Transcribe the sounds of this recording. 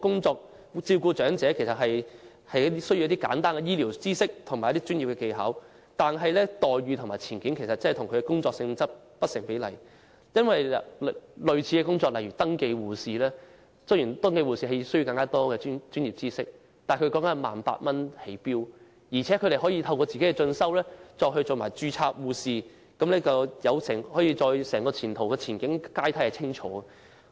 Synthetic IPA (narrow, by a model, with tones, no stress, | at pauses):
kʊ˥ŋt͡sɔː˧k̚ | t͡siː˧wkuː˧t͡ʃœː˨˥ŋt͡sɛ˨˥kʰe˨˩sɐ˨t̚ɦɐ˨j | hɐ˨jɐ˥i˥sɵ˥ju˧jɐ˥t̪i˥ka̰ː˨˥nt̪aː˥nkɛ˨˧jiː˥li˨˩wt͡siː˥sɪ˥k̚t̪ʰʊ˨˩ŋma˨˩jɐ˥t̪i˥t͡ʃyː˥njiː˨p̚kɛː˧ke˧jɦɐ̰˨˥w | t̪aː˨nɦɐ˨jlɛː˥t̪ɔː˨jɥyː˨t̪ʰʊ˨ŋmaː˨jt͡sʰiː˨˩nkiː˨˥nkʰe˨˩jsɐ˨t̚t͡sɐ˥ɐ˨t̪ʰʊ˨˩ŋkʰɵ˨˧kɛ˧kʊ˥ŋt͡sɔː˧k̚sɪ˧ŋt͡sɐ˥p̚ | pɐ˥t̚sɪ˨˩ŋpe˨˥jlɐ̰˨˩j | jɐ˥nwɐ˨jllɵ˨ɥt͡sʰiː˨˧kɛ˧kʊ˥ŋt͡sɔː˧k̚lɐ˨˩jɥyː˨˩t̪ɐ˥ŋke˧jwuː˨˩siː˨lɛː˥ | sɵ˥jiː˨˩nt̪ɐ˥ŋke˧jwuː˨siː˨˩ɦe˧jsɵ˥ji˧kɐ˧ŋkaː˥t̪ɔː˥ɡɛː˧˥t͡ʃyː˥nji˨p̚t͡siː˥sɪ˥k̚ | t̪aː˨˩jkʰɵ˧kɔː˨˥ŋkɐ˨˥nma̰ː˨˩npa̰ː˧t̚mɐ˥nhe˨˥jpiː˥w | jiː˨˩t͡sʰɛː˨˥kʰɵ˨˧d̪e˨jhɔː˨˥jiː˧t̪ʰɐ˧wkɔː˧t͡siː˨ke˨˥kɛ˧t͡ʃɵ˧nsɐ˥wlɛː˥t͡ʃɔː˧k̚ɦɵ˧jt͡ʃo˨˧ma̰ː˨˩jt͡ʃyː˧t͡sʰaː˧k̚wuː˨˧siː˨˧ | kɐ˨˥mlɛː˥t͡sɐ˨jɐ˨˧wsɛː˨˩ŋhɔː˨˥jiː˧t͡ʃɔː˧jsɛː˨˩ŋkɔː˧t͡sʰiː˨˩nt̪ʰo˨˩wkɛː˧t͡sʰiː˨˩nkɪ˨˥ŋkaː˥jt̪ʰa˥jhɐ˨jt͡sʰɪ˥ŋt͡ʃʰɔ̰ː˨˥ɐ˨